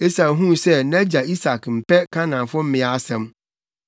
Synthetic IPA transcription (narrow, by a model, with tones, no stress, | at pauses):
e˦sa˨ɦũ˦˨sɛ˦nɛ̃˦d͡ʑa˨i˦sa˨km̩˨pɛ˦kʰã˦nã˨m˨fʊ˦m̩˦mɪ̃˨a˦sɛ̃˨m